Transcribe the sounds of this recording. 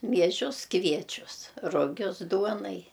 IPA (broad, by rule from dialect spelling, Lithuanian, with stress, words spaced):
mʲiɛˈʒʲʊs ˈkʋʲiɛt͡ʃʲʊs rʊˈɡʲʊs ˈduɔnɐɪ